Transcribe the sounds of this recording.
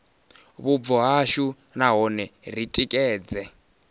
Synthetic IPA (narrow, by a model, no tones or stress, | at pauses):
βub̪vɔɦaʃu | naɦɔnɛr̤itʼikʼɛːd͡zɛ